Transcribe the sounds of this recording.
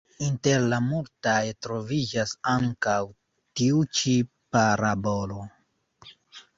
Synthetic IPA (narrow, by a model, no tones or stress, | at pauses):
inteɾlamultajtɾo̞vid͡ʒasaŋkaw | tiut͡ʃi | paɾabo̞lo̞